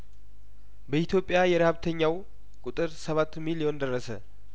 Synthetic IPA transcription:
bəit̪ʰjo̞pʼːjajɛɾəhaβt̪ʰəɲːaw | kʼut̪ʼɨɾsəβat̪ːmilio̞nd̪ərːəsə

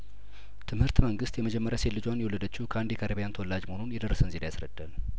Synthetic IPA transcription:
t̪ʰɨmhɨɾt̪məŋɡɨst̪jɛməd͡ʒɛmːəɾjaselːɨd͡ʒwanjɛwlːəd̪ət͡ʃːɪhukʰəʔand̪iɛkʰəɾeβijant̪əwɔlːad͡ʒməhonunjɛd̪ərːəsənzilajasɾəd̪ːal

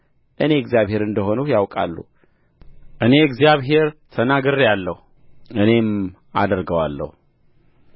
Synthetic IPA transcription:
ʔɨne̞ɨɡzjaβhe̞ɾɨnd̪əɦo̞nujawkʼa̰lːṵ | ʔɨne̞ɨɡzjaβɦe̞ɾt̪ʰənaɡɨɾjalːəhu | ɨne̞m | a̰d̪ɾɡəwalːə̰hu

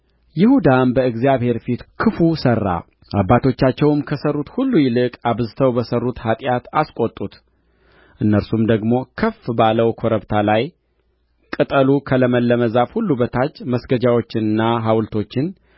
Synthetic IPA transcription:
jɪhud̪anbəɨɡzijaβhe̞ɾfit̪kʰɨfusərːa̰ | ʔabːat̪ʰo̞t͡ʃːat͡ʃːɛwɨmkʰəsərːut̪hulːujɪlɨkʼaβzɨt̪ʰəwbəsərːut̪hat̪ʼjat̪askʼo̞t̪ʼːut̪ | ʔɨnːəɾsumd̪əɡmo̞kʰəfbaləwkʰo̞ɾəbt̪ʰalaj | kʼɨt̪ʼəlukʰələməlːəməzafhulːubət̪ʰat͡ʃːməsɡəd͡ʒawo̞t͡ʃːɪnɨnːaɦawlt̪ʰo̞t͡ʃːɪn

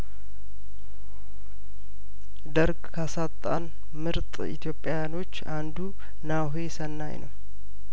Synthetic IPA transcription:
d̪əɾɡkʰasat̪ʼːa̰n | mɨɾt̪ʼḭt̪ʰjo̞pʼːjajano̞t͡ʃːand̪u | naɦesənːajnə̰w

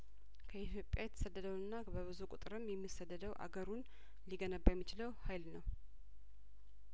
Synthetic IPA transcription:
kʰəit̪jo̞pʼjajɛt̪ʰə̥səd̪ːəd̪əwɨnːabəβɨzukʼṵt̪ʼɨɾɨmjɛmːisːəd̪ːəd̪əwʔa̰ɡəɾun | liɡənəbːajɛmːit͡ʃɪləwhajlnəw

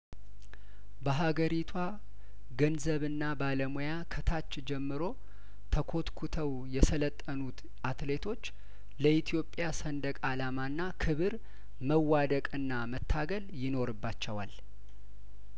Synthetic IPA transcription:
bəɦaɡəɾit̪ʰwa | ɡənzəβɨnːabaləmujakʰət̪ʰat͡ʃːd͡ʒɛmːɨɾo̞ | t̪ʰəkʰo̞t̪kʰut̪ʰəw | jɛsələt̪ʼːənut̪ | ʔat̪le̞t̪ʰo̞t͡ʃː | ləʔit̪ʰijo̞pʼːjasənd̪əkʼalamanːakʰɨβɨɾ | məwːad̪əkʼɨnːamət̪ʰːaɡəljɪno̞ɾɨbːat͡ʃːɛwa̰l

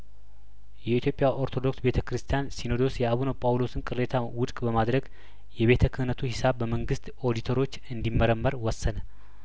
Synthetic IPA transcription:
jɛit̪ʰjo̞pʼjaʔo̞ɾt̪ʰo̞d̪o̞ksbe̞t̪ʰəkɨɾɨst̪ʰijansino̞d̪o̞sjɛaβunopʼawlo̞sɨnkʼɨɾe̞t̪ʰawʊt̪ʼkʼbəmad̪ɾəɡ | jɛβe̞t̪ʰəkʰɨhnət̪ʰuhisaβːəməŋɡɨst̪ | od̪it̪ʰoɾo̞t͡ʃːɨnd̪imːəɾəmːəɾwɔsːənə

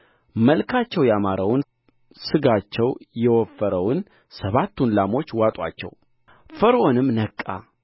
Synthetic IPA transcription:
məlkʰat͡ʃːɛwjamaɾawn | sɨɡat͡ʃːɛwjɛwɔfːəɾəwn | səβat̪ːunlamo̞t͡ʃːwat̪ʼwa̰t͡ʃːɛ̰w | fəɾonɨmnəkʼːa̰

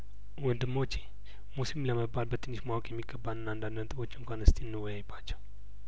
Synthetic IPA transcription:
wɔnd̪ɨmːot͡ʃːe̥ | musimləməbːalbət̪ʰɨnːɨʃmawɔkʼjɛmːiɡːəbːanɨnand̪and̪ənt̪ʼɨbo̞t͡ʃːɪŋkʷanɨst̪ʰiɨnːɨwɔjajɛbːat͡ʃːɛw

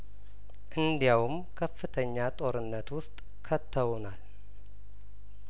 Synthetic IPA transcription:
ʔɨnd̪jawm | kʰəfːɨt̪ʰəɲːat̪ʼo̞ɾɨnːət̪wʊst̪ʼ | kʰət̪ʰːəwnal

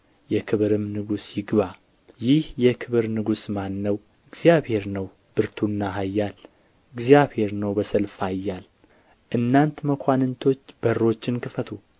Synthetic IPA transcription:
jɛkʰɨβɨɾɨmnɨɡusjɪɡβa | jɪhjɛkʰɨβɨɾnɨɡusmanːəw | ɨɡzjaβhe̞ɾnəw | b̥ɨɾt̪ʰunːaɦajːal | ɨɡzijaβhe̞ɾnəwbəsəlfhajːal | ʔɨnːant̪məkʰʷanɨnt̪ʰo̞t͡ʃːb̥ərːo̞t͡ʃːɪnkɨfət̪ʰu

